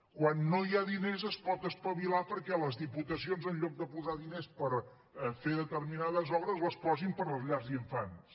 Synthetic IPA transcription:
kwanːojaðinezəspɔt̪əspəβilapəɾkɛləzðiput̪əsionzənʎɔk̚d̪əpuzaðinespəɾ | feðət̪ərminaðəzɔβɾəzləspɔzimpəɾləzʎazðiɱfans

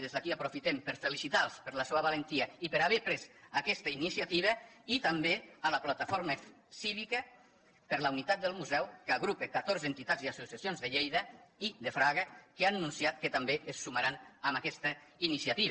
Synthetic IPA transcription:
ðezðakiapɾufit̪empəɾfelisit̪alˠspəɾləsoəβalent̪iəipəɾaβɛpɾesakɛst̪əinisiat̪iβ̞əit̪əmbealəplat̪əfoɾmə | siβikə | pəɾləwnit̪at̪̚d̪əlˠmuzɛwkaɣɾupekat̪oɾzent̪it̪adziasusjasionzðəʎejðəiðəfɾaɣəkeanːunsiat̪̚kət̪əmbeessuməɾanəmakɛst̪əinisjat̪iβ

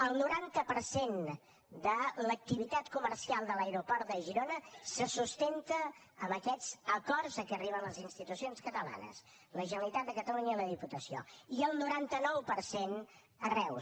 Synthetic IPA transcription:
əlˠnuɾant̪əpəɾsen | d̪ələk̚t̪iβit̪at̪kuməɾsialˠd̪ələjɾupɔɾt̪̚d̪əʒiɾonəsəsust̪ent̪əː | məkɛd͡zəkɔrzəkɛəriβənləzinst̪it̪usionskət̪əla̰nə̰s | ləʒənəlit̪at̪d̪əkət̪əluɲəiləðiput̪əsio̰iəlˠnuɾant̪ənɔwpəɾsen | ərɛw

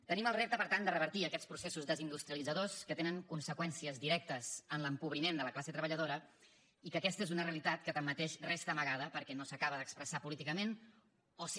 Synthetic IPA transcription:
t̪əniməlˠrep̚t̪əpəɾt̪and̪ərəβəɾt̪iəkɛt͡spɾusesuzðəzind̪ust̪ɾiəlid͡zəðoskət̪enəŋkunsəkwɛnsiəzðiɾɛk̚t̪əzənləmpuβɾimend̪ələklaset̪ɾəβəʎəð̞oɾə | ikəkɛst̪əezunəreəlit̪at̪kət̪əmːət̪eʃrest̪əməɣaðəpəɾkɛnosəkaβəðəkspɾəsapulit̪ikəmen | os

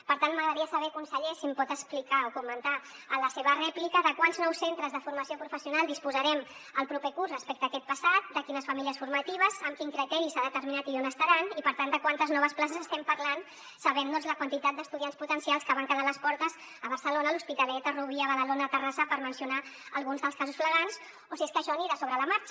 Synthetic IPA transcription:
pəɾt̪anməɣɾðəɾiəsəβɛkunsəʎesimpɔt̪əsplikaokumənt̪aələseβərɛplikəðəkwanznɔwsent̪ɾəzðəfuɾməsiopɾufəsiunalˠd̪ispuzəɾɛməlˠpɾupekurzrəspɛk̚t̪əːkɛt̪̚pəsat̪̚d̪əkinəsfəmiliəsfuɾmət̪iβ̞əzəmkiŋkɾit̪ɛɾisaðət̪əɾminat̪ionəst̪aɾanipəɾt̪and̪əkwant̪əznɔβəsplas̬əzəst̪ɛmpəɾlan | səβɛmd̪ɔnzləkwənt̪it̪at̪̚d̪əst̪uðiansput̪ənsialˠskəβaŋkəðaləspɔɾt̪əz | əβ̞əɾsəlonəluspit̪əlɛt̪əruβiəβəðəlonət̪ərasəpəɾmənsiunaəlˠɣunzðəlˠskazusfləɣans | osieskəʃɔniɾasoβɾələmaɾt͡ʃ

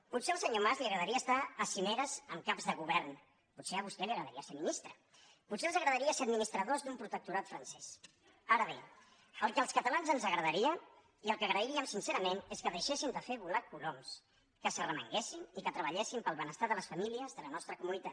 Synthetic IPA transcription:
put̪seəlˠsəɲomazliəɣɾəðəɾiəːst̪aəsineɾəzəmkabzðəɣuβɛrn | putseəβ̞ust̪ɛliəɣɾəðəɾiəseminist̪ɾə | put̪senzəɣɾəðəɾiəseəd̪minist̪ɾəðozd̪umpɾut̪ək̚t̪uɾat̪fɾənsɛs | aɾəβḛ | əlˠkəlˠskət̪əlanzənzəɣɾəðəɾiə | iəlˠkəɣɾəiɾiəmsinseɾəmeneskəðəjʃesind̪əfeβulakuloms | kəsərəmə̰ŋɡesinikət̪ɾəβəʎesimpəlˠβənəst̪aðələsfəmiliəzðələnɔst̪ɾəkumunit̪at̪

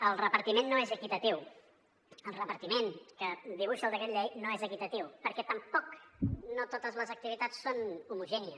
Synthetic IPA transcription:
əlˠrəpəɾt̪imenːoezəkit̪ət̪iw | əlˠrəpəɾt̪imeŋkəd̪iβuʃəlˠd̪əkɛt̪ʎɛjnoezəkit̪ət̪iwpəɾkɛt̪əmpɔknot̪ot̪əzləzək̚t̪iβ̞it̪at͡sːonumuʒɛniə

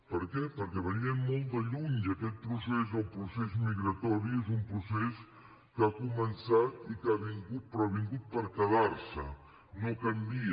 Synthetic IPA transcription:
pəɾkɛpəɾkɛβəniəmmolˠt̪d̪əʎuɲəkɛt̪̚pɾusezəlpɾusezmiɣɾət̪ɔɾiezumpɾuses | kakumənsat̪ikaβiŋɡut̪̚pɾɔaβiŋɡut̪̚pəɾkəðaɾsə | nokəmbi

